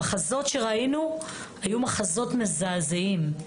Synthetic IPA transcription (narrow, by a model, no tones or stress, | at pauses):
aχazo̞tʃe̞ʁainu | hajumaχazo̞tmezaːzeim